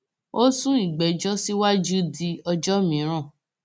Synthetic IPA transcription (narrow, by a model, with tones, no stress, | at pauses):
o˦sũ˦i˦˨ɡ͡bɛ˨d͡ʒɔ˦si˦wa˦d͡ʒu˦di˧ɔ˧d͡ʒɔ˦mĩ˨˦ɾ̃ã˦˨